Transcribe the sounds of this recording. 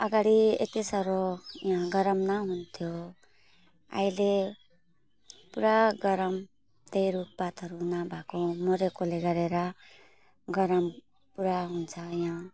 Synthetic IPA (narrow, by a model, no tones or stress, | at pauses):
ʌɡaɽiḛt̪isʌɾojãɡʌɾʌmnʌɦunt̪ʰjo | a̰jle | puɾaɡʌɾʌm | t̪ejɾup̚pat̪ʌɾunʌbʱakomoɾekoleɡʌɾeɾʌ | ɡʌɾʌm | puɾaɦunt͡sʰʌjã